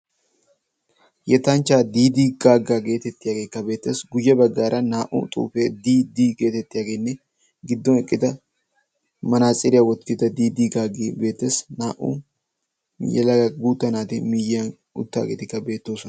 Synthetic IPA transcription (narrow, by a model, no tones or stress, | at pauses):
jɛt̪ant͡ʃaːd̪iːd̪iːɡaːɡaːɡe̞ːt̪ɛt̪ːɪjaːɡeːkːɐbe̞ːt̪ːeːsɡʊjːɐbɐɡːaːɾʔɐnaːʔṵt̪ʼṵːfeːd̪iːd̪iːɡe̞ːt̪ɛt̪ːɪjaːɡe̞ːnːɛ | ɡɪd̪ːɔnɛkʼːɪd̪ɐ | mɐnaːsʼɪɾɪjawɔt̪kɪd̪ɐd̪iːd̪iːɡaːɡiːbe̞ːt̪ːesnaːʔṵ | jɛ̰lɐɡuːt̪ːɐnaːt̪ɪmɪjɐn | ʊ̰t̪ːa̰ːɡeːt̪ɪkːɐbe̞ːt̪ːo̞ːsɔnɐ